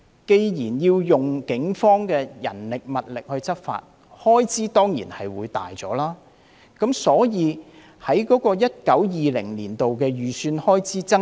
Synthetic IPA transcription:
ke˧jjiː˨˩njiː˧wjʊ˨ŋkɪ˨˥ŋfɔː˥ŋkɛː˧jɐ̰˨˩nlɪ˨k̚mɐ˨t̚lɪ˨k̚hɵ˧ɥt͡sɐ˥p̚fa̰ː˧t̚ | hɔː˥jt͡sʰiː˨˥t̪ɔː˥ŋjḭː˨˩nhɐ˨jwuː˨˧jt̪a̰ː˨jt͡sɔ̰ː˨˥laː˥ | kɐ˨˥msɔː˨˥jiː˨˧ | hɐ˨˥jkɔː˨˥kɔː˧jɐ˥t̚kɐ˨˥wjiː˨lɪ̰˨˩ŋliː˨˩nt̪o˨wkɛː˧jyː˨˩syː˧nhɔː˥jt͡sʰiː˨˥t͡sɐ˥

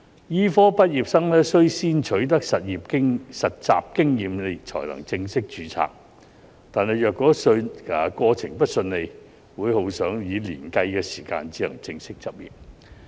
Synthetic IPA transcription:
jiː˥fɔː˥pɐ˥t̚jiː˨p̚sɐ˥ŋlɛː˥sɵ˥ɥsiː˥nt͡ʃʰɵ˨˥ɥt̪ɐ˥k̚sɐ˨t̚jiː˨p̚kɪ˥ŋsɐ˨t̚t͡sa̰ː˨p̚kɪ˥ŋjiː˨mle˨˧t͡sʰɔ̰ː˨˩jlɐ̰˨˩ŋt͡sɪ˧ŋsɪ˥k̚t͡ʃyː˨˥t͡sʰa̰ː˨k̚ | t̪aː˨nɦɐ˨jœː˨kːɔː˨˥sɵ˧ɐː˨kʷɔː˧t͡sʰɪ˨˩ŋpɐ˥t̚sɵ˧nle˨˧j | wuː˨˧˥jho˨˥wsœː˨˥ŋjiː˨˧lḭː˨˩nkɐ˧jkɛː˧siː˨˩ka̰ː˧nt͡siː˨˥lɐ˨˩ŋt͡sɪ˧ŋsɪ˥k̚t͡sɐ˨p̚jḭː˨p̚

